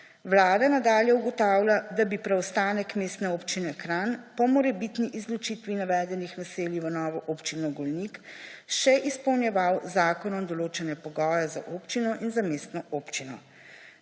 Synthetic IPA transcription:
ʋlaːd̪anad̪aːljɛuɡɔt̪aːwlʲad̪abipɾɛɔst̪aːnɛkmeːst̪nɛopt͡ʃinɛkɾanpɔmɔɾɛbit̪niʔizlɔt͡ʃit̪ʋinaʋɛːd̪ɛnixnaseːliʋənɔːʋɔʔopt͡ʃinɔɡɔlnikʃɛʔispɔwnjɛʋawzaːkɔnɔmd̪ɔloːt͡ʃɛnɛpɔɡɔːjɛza̰ʔoːpt͡ʃinɔʔinzameːst̪nɔʔoːpt͡ʃinɔ̰

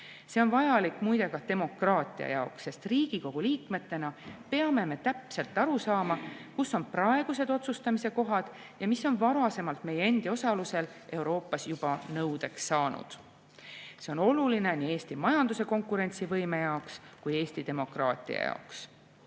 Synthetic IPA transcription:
seo̞nvɑjɑlikːˑmujd̪e̞kɑt̪e̞mo̞krɑːt̪ˑiɑ̰jɑoksːe̞st̪riːɡ̥iko̞ɡ̥uliːkme̞t̪ːˑe̞nɑpe̞ɑme̞me̞t̪æpse̞lt̪ːˑɑɾusɑːmɑkusːo̞nprɑeɡ̥use̞d̪̥o̞t̪sust̪ɑmise̞ko̞ɦɑd̪̥ | jɑmisːo̞nvɑɾɑse̞mɑlt̪me̞jee̞nd̪io̞sɑluse̞l | ʔe̞uwɾo̞ːpːˑɑsjub̥ɑnɤwd̪̥e̞ksːɑːnṵd̪̥ | se̞ono̞luline̞nie̞ːst̪imɑjɑnd̪use̞ko̞ŋkuɾe̞nʲt̪sivɤjme̞jɑokskuje̞ːst̪id̪̥e̞mo̞krɑːt̪ˑḭɑ̰jɑ̰oks

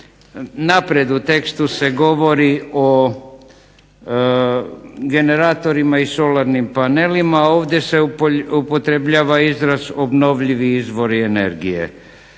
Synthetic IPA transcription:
napɾe̞d̪ut̪e̞kst̪use̞ɡo̞ʋo̞ɾio | ɡe̞ne̞ɾaːt̪o̞ɾimaiso̞laɾnimpane̞limao̞ːʋd̪ʲje̞seupo̞t̪ɾebʎaːʋaizɾazobno̞ʋʎiʋiizʋo̞ɾiene̞̰ɾɡije̞̰

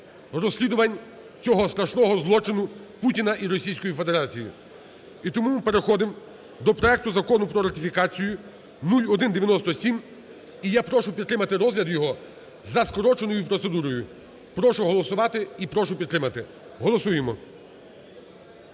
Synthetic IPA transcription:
rɔsʲlʲid̪ʊʋɐnʲ | t͡sʲɔɦɔst̪ɾɐʃnɔɦɔzlˠɔt͡ʃɪnʊputʲinɐʔiɾɔsʲijsʲkɔjife̞d̪eɾɑt͡sʲijḭ | it̪ɔmumpe̞ɾexɔd̪ɪm | d̪ɔpɾɔɛk̚t̪ʊzɐkɔnʊpɾɔɾɐt̪ʲɪfʲikɑt͡sʲijʊ | nulʲɔd̪ɪnd̪eʋʲjɐnɔst̪ɔsʲim | ijapɾɔʃʊpʲid̪t̪ɾɪmɐt̪ɪɾɔzlʲɐd̪jɔɦɔ | zɐskɔɾɔt͡ʃenɔjʊpɾɔt̪se̞d̪uɾɔjʊ | pɾɔʃʊɦɔlˠɔsʊʋɑt̪ɪipɾɔʃʊpʲid̪̚ɾɪmɐt̪ɪ | ɦɔlˠɔsujemɔ

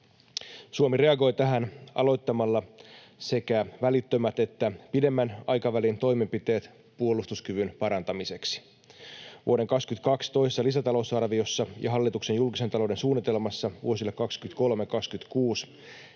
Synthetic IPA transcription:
suomire̞ɑɡo̞jt̪æɦænɑ̰lo̞jt̪ːɑmɑlːɑ | se̞kæʋælit̪ːømæt̪e̞t̪ːæpide̞mːænɑjkɑʋælint̪o̞jmempit̪e̞ːt̪ | puolːˑust̪uskyʋynpɑɾɑnt̪ɑmise̞ksi̥ | ʋṵode̞ŋkɑkskyt̪kɑkst̪o̞ijsst̪ːɑlisæt̪ɑlo̞wsɑrʋio̞sːɑjɑ̰ɦɑlːit̪ukse̞njulkise̞nt̪ɑlo̞wde̞nsuːnːit̪e̞lmɑsːɑʋṵo̞silːekɑkskyt̪kolmekɑkskyt̪kuːs

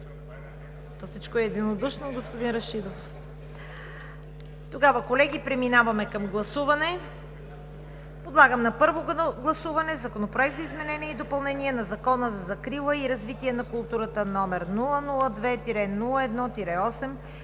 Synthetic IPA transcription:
t̪ɔfsit͡ʃkoɛːd̪inod̪uʃnoɡospod̪inɾɐʃid̪of | t̪oɡavəkolɛɡʲipɾɛminavɐmɛkɐmɡlˠɐsuvɐnɛ | pod̪lˠaɡəmnɐpɤɾvoɡlˠɐsuvɐnɛzɐkonopɾoɛk̚t̪zɐizmɛnɛniɛid̪opɐlˠnɛniɛnɐzɐkɔnəzɐzɐkɾilˠəiɾɐzvit̪iɛnɐkʊlˠt̪uɾət̪ənɔmɛɾnulˠənulˠəd̪vɛt̪iɾɛnulˠəɛd̪nɔt̪iɾɛɔsɛm

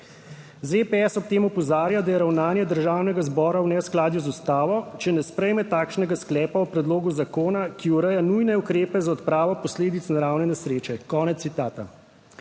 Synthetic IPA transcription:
zepɛɛsɔp̚t̪eːmɔpɔzaːɾjad̪ajɛɾawnaːnjɛd̪əɾʒaːwnɛɡazbɔːɾawnɛsklaːd̪juzust̪aːʋɔt͡ʃɛnɛspɾɛjmɛt̪aːkʃnɛɡasklɛːpaupɾɛd̪loːɡuzakoːnakiuɾəjanujnɛukɾeːpɛzaɔt̪pɾaːʋɔpɔsleːd̪it̪snaɾawnɛnɛsɾeːt͡ʃɛkɔːnɛt̪it̪aːt̪a

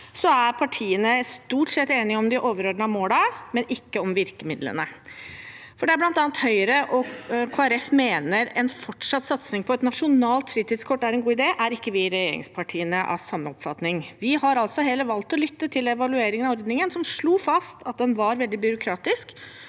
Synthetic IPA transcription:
sɔæɾpʰɑʈʰiːənəst̪uːʈsɛt̪ːeːnɪɔmd̪ɪʔoːʋəɾɔɖɳɑmoːlɑmɛnɪkːəɔmʋɪɾkəmɪd̪lə̰nə | fɔɖɛæɾblɑnt̪ɑːnt̪hœʏəɾəʔɔkʰoːɛɾɛfmeːnəɾɛnfɔʈʂɑt̪ːsɑt̪snɪŋpʰɔɛt̪nɑʂʊnɑːlt̪fɾiːt̪ɪd̪skʰɔʈ̪ːæɾɛnɡuːɪd̪eːʔæɾɪkːəʋɪɾɛjḛːɾɪ̰ŋspʰɑʈʰiːənəʔɑ̰sɑmːəɔpfɑt̪nɪŋʋɪhɑɾɑlsɔɦeːləʋɑlt̪ɔlʏt̪ːət̪ʰɪlɛʋɑlʉeːɾɪŋənɑʋɔɾd̪nɪŋənsɔmʂɭuːfɑst̪ʰɑt̪̚d̪ɛnʋɑɾʋɛld̪ɪbʏɾʊkʰɾɑːt̪ɪsk

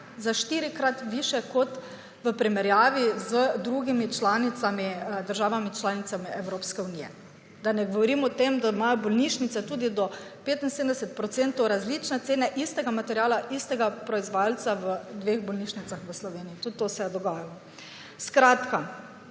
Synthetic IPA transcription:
zaʃt̪iːɾikɾat̪ʋiʃɛkɔt̪ | ʋəpɾimɛɾjaːʋizəd̪ɾuɡimit͡ʃlaːnit̪samid̪əɾʒaːʋamit͡ʃlaːnit̪samiɛwɾoːpskɛunijɛ | d̪anɛɡoʋɔɾimɔt̪emd̪aimajɔbɔlniʃnit̪sɛt̪uːd̪id̪ɔpeːt̪in̩sed̪md̪ɛsɛt̪̚pɾɔt̪sent̪owɾazlit͡ʃnɛt̪seːnɛʔist̪ɛɡamat̪ɛɾjaːlaʔist̪ɛɡapɾɔizʋajalt̪saʋəd̪ʋeɣbɔlniʃnit̪saxʋəslɔʋeːniit̪ud̪t̪ːosɛd̪ɔɡaːjalɔ | skɾaːt̪ka

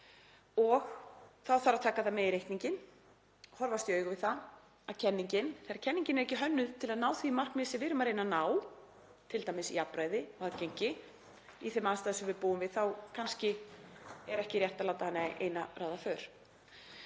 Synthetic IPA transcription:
ɔɣθawθaɾawt̪ʰaːkaθamɛðiɾejht̪niɲcɪn | hɔɾvast̪iœːɥɣʏvɪðθa | aðcʰɛnːiɲcɪnθajɾaɾcʰɛnːiɲcɪnɛɾɛhcɪɦœnːʏðt̪ʰɪlaðnaːwθimar̥knmɪːsɛvɪɾʏmaɾejnanaːw | t̪ʰɪlt̪ajmɪsḭapɾaːjðɪɔɣacejɲcɪ | iθɛmaðst̪aːðsʏmvɪðpuːʏmvɪðθawkʰanscɪ | ɛɾɛhcɪɾjɛht̪alaːwt̪ahanːaʔḛjnaraːwðafœːɾ̥

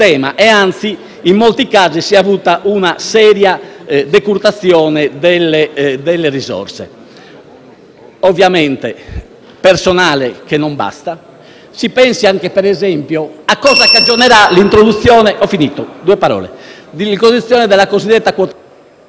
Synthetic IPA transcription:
ɛːmaʔɛant̪si | imːolt̪ikaːzisiavuːt̪aʔunasɛːɾjad̪ɛkuɾt̪at̪sjɔːnɛd̪ɛlːɛd̪ɛlːɛrizɔ̰rsɛ̰ | ovjamɛnt̪ɛ | pɛɾsɔnaːlɛkɛnːɔmba̰st̪a | sipɛnsiaŋkɛpɛɾɛzɛmpjɔakːɔːzakad͡ʒːɔnɛɾalint̪ɾod̪ut̪sːjɔːnɛʔɔfinit̪ɔd̪uːɛpaɾɔ̰ːlɛ̰d̪ilikozd̪it̪sːjɔːnɛd̪ɛlːakozid̪ːɛt̪ːakwɔt̪

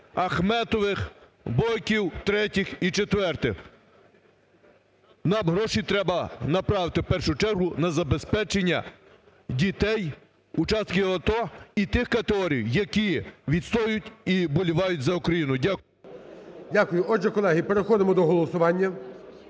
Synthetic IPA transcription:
ɐxmɛt̪ɔʋɪx | bɔjkʲiwt̪ɾɛtʲɪxit͡ʃet̪ʋɛrt̪ɪx | nɑmɦɾɔʃit̪ɾɛbɐnɐpɾɑʋɪt̪ɪwpɛrʃʊt͡ʃɛrɦʊnɐzɐbespɛt͡ʃenʲːɐ̰ | dʲit̪ɛj | ut͡ʃɑst̪kɪɐt̪ɔit̪ɪxkɐt̪eɦɔɾʲijwjɐkʲiʋʲid̪st̪ɔjʊtʲibɔlʲiʋɑjʊtʲzɐʊkɾɐjinʊjdʲak | dʲakʊjʊʔɔʒɛkɔlˠɛɦipeɾexɔd̪ɪmɔd̪ɔɦɔlˠɔsʊʋɑnʲːɐ

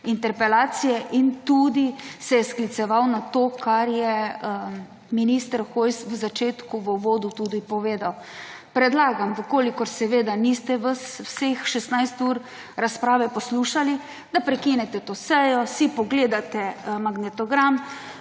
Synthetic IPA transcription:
int̪ɛɾpɛlaːt̪sijɛʔint̪ud̪isɛjɛsklit̪sɛʋawnat̪okʰaɾjɛ | minist̪əɾxojsʋəzat͡ʃeːt̪kuʋəʋoːd̪ut̪ud̪ipɔʋeːd̪aw | pɾɛd̪laːɡamʋəkoːlikɔɾsɛʋeːd̪anist̪ɛʋəswsexʃɛst̪najst̪uɾ | ɾaspɾaːʋɛpɔsluːʃali | d̪apɾɛkinɛt̪ɛt̪oːsɛjɔsipɔɡleːd̪at̪ɛmaɡnɛt̪ɔɡɾam

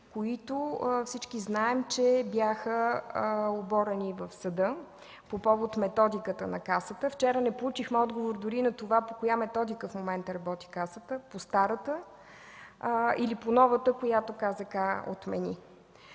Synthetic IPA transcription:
koit̪ofsit͡ʃkiznaɛmt͡ʃɛbjaxə | obɔɾɛnivəfsɐd̪ɤ | popɔvot̪mɛt̪ɔd̪ikət̪ənɐkasət̪əft͡ʃɛɾənɛplˠut͡ʃixmɛɔd̪ɡovoɾd̪ʊɾinɐt̪ovapokojamɛt̪ɔd̪ikəfmomɛnt̪əɾɐbɔt̪i̥kasət̪əpost̪aɾət̪ə | iliponɔvət̪əkojat̪okazəkao̰t̪mɛ̰nʲḭ

